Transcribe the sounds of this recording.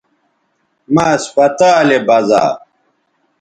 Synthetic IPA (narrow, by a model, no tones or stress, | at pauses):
maːspɐt̪aːlebɐza̰ː